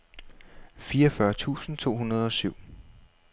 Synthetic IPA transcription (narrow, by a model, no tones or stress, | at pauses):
fiːɐɒfɶɐt͡sʰṵːsn̩t͡sʰo̝̰ːɦunɐð̞ˠɒ̽syʊ̰